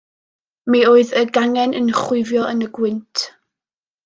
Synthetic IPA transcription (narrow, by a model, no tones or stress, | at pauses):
mioːɨðəɡaŋɛnʔənχwʊɨvjɔʔənəɡwɪntʰ